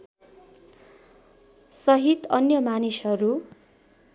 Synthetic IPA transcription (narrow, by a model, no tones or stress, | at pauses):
sʌɦit̪ʌnjʌmanisʌɾu